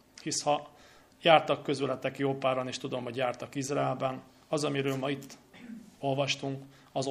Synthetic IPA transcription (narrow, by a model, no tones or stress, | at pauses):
hishɒ | jaːrt̪ɒkːø̞zylɛt̪ɛkjoːpaːɾɒneːʃt̪ud̪o̞mɦo̞ɟjaːrt̪ɒkizraɛlbɛn | ɒzɒmiɾøːlmɒit̪ːo̞lvɒʃt̪uŋk | ɒz